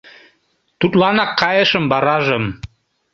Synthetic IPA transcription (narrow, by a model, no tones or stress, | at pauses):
t̪ut̪lɑnɑkʰːɑjəʃə̆mbɑɾɑʒə̆m